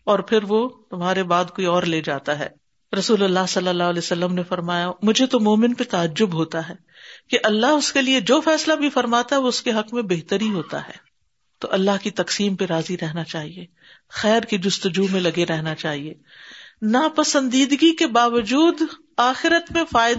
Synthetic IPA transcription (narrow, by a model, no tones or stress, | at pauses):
ɔːɾpʰɪɾʋot̪ʊmɦaːɾebaːd̪koːiɔːɾleːd͡ʒaːt̪aɦɛ̰ː | ɾɐsuːlɐlːaɦsɐlːəlːaːlɛːsɐlːəmnefɐɾmaːjamʊd͡ʒʱet̪omoːmɪnpet̪aːəd͡ʒːʊbɦoːt̪aɦɛː | keʔɐlːaɦʊskelied͡ʒoːfɛːslabʱifɐɾmaːt̪aɦɛʋoʊskeɦɐkmẽbeɦt̪əɾɦiɦoːt̪a̰ɦɛ̰ː | t̪o̰ʔɐlːaɦkit̪ɐqsiːmpeɾaːziɾɛɦnat͡ʃaːɦieː | xɛːɾkid͡ʒʊst̪ʊd͡ʒuːmẽlɐɡeɾɛɦnat͡ʃaːɦieː | napɐsə̃nd̪iːd̪ɡikebaːʋəd͡ʒuːd̪ | aːxɪɾət̪mẽfaːj